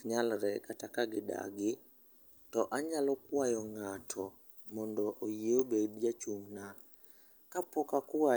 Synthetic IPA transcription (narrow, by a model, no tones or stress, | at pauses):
ɲalɾɛkatakaɡɪda̰ɡɪ | tɔʔaɲalɔkwajɔŋatʰɔ | mɔndɔʔojeobedd͡ʒat͡ʃuŋna | kapɔkakwa